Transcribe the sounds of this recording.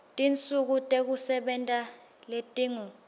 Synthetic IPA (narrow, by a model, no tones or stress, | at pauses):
tʼint͡sʼuk̬utʼek̬usɛɓɛntʼa | letʼiːŋu